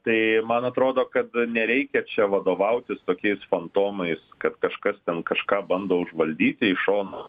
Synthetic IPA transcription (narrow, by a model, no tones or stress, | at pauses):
t̪ɐɪmɐnɐt̪ɾoːd̪oːkɐt̪nʲɛɾʲɛɪkʲɛt͡ʃʲɛʋɐd̪oːʋɐʊt̪ʲɪst̪oːkʲɛɪsfɐnt̪oːmɐɪskɐt̪kɐʃkɐst̪ʲɛnkɐʃkɑːbɐnd̪oːʊʒʋɐlʲd̪ʲiːt̪ʲɪɪʃoːno